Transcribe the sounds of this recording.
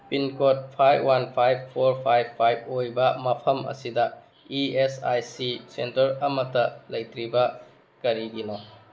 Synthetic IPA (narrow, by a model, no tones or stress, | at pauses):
pinkot̚pʰajbwanpʰajb̚pʰoɾpʰaj̚ʰajbojbɐmɐpʰɐmɐ̰sidɐ | iesa̰jsisentɐɾɐmɐtɐlɐjtɾibɐ | kɐɾiɡino